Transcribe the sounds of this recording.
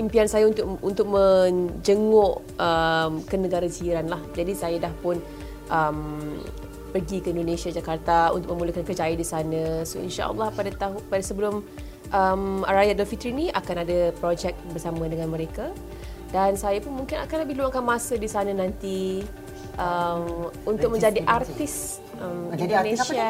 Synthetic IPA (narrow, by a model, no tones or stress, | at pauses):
impiansajaunt̪ʊʔunt̪ʊk̚mə̃d͡ʒəŋʊʔ | əmkənəɡaɾaziɾanlahd͡ʒadisajadahpʊn | ʔəm | pərɡikəindonẽsiad͡ʒakart̪aṵnt̪ʊk̚məmuləhkankərd͡ʒaidisanə̃soḭnʃa̰ʔə̰lːɑhpadat̪apadasəbəlʊm | ʔəmaɾajadalfit̪əɾinĩʔa̰kanadəpɾod͡ʒɛk̚bərsamə̃dəŋãnməɾeka | dansajapʊnmũŋkɪna̰kanləbɪhluwaŋkanmãsədisanənant̪i | ʔəmunt̪ʊk̚mə̃ɲd͡ʒadiʔart̪ɪs | əminndoneʃia